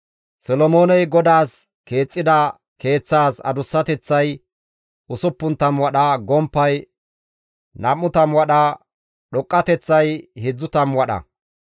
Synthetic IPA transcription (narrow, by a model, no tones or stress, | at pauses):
sɔlɔmoːnɛjɡɔd̪aːs | ke̞ːt͡sʼːɪd̪ɐ | ke̞ːt͡sːaːsɐ̰d̪ʊsːɐt̪ɛt͡sːɐj | ʔʊsʊpːʊnt̪ɐmwɐɗɐɡɔmpːɐj | nɐmːʊt̪ɐmwɐɗɐ | ɗɔkʼːɐt̪ɛt͡sːɐjhɪd͡zːʊt̪ɐmwɐɗɐ̰